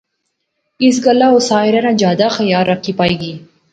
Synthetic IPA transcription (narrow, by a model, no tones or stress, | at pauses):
is̬ɡalawsɑɪɾanad͡ʒɑd̪axajɑɾakipɑjɡi